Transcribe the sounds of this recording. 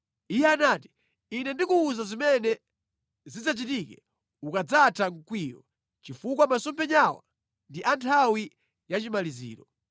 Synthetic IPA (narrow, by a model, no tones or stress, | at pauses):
ijɛanaːti̥ | inɛndikuːzazimɛnɛ | zid͡zat͡ʃitikɛ | ukad͡zatʰaŋkwiːjɔ̰ | t͡ʃifukwamasɔmpʰɛɲawa̰ | ndiʔantʰawi | jat͡ʃimalizḭːɾɔ